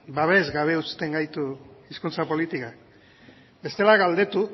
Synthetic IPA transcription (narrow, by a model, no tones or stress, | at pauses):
baβe̞zɡaβ̞e̞ust̪e̞ŋɡajt̪uiskunt͡sapo̞lit̪ika | be̞st̪e̞laɣald̪e̞t̪u